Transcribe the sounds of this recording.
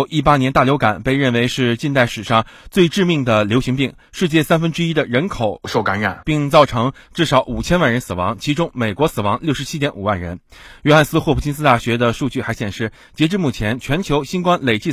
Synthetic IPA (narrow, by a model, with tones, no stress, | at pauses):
ʔi˥˩pa˥njɛ˧˥nt̪a˥˩ljo˧˥ʊka˨˩˦npe˥˧ɪɻə˥˩nwe˧˥ɪʂɻ̩˥˧t͡ɕi˥˧nt̪a˥˩ɪʂɻ̩˨˩ʂɑ˥˧ŋ | t͡swe˥˧ɪʈ͡ʂɻ̩˥˧mi˥˩ŋd̪ə˩ljo˧˥ʊɕi˧˥ŋpi˥˩ŋ | ʂɻ̩˥˧t͡ɕjɛ˥˩sa˥nfə˥nʈ͡ʂɻ̩˥i˥d̪ə˨ɻə˧˥nkʰo˨˩˦ʊʂo˥˩ʊka˧˥nɻa̰˨˩˦npi˥˧ŋt͡sɑ˥˩ʊʈ͡ʂʰɤ˧˥ŋʈ͡ʂɻ̩˥˩ʂɑ˧˥ʊʔu˨˩t͡ɕʰjɛ˥nwa˥˩nɻə˧˥nsɹ̩˨˩wɑ̰˧˥ŋt͡ɕʰi˧˥ʈ͡ʂʊ˥ŋme˨˩ɪkwɔ˧˥sɹ̩˨˩wɑ˧˥ŋljʂɻ̩˧˥t͡ɕʰi˥t̪jɛ˧˥nṵ˨˩wa˥˩nɻə̰˧˥nɥɛ˥xa˥˩nsɹ̩˥xwɔ˥˩pʰu˥˩t͡ɕi˥ns̬ɹ̩˥t̪a˥˩ɕɥɛ˧˥d̪ə˧ʂu˥˧t͡ɕy˥˩xa˧˥ɪɕjɛ˨˩nʂɻ̩˥˩ | t͡ɕjɛ˧˥ʈ͡ʂɻ̩˥˧mu˥˩t͡ɕʰjɛ˧˥nt͡ɕʰɥɛ˧˥nt͡ɕʰjo˧˥ʊɕi˥nkwa˥nle˨˩ɪt͡ɕi˥˩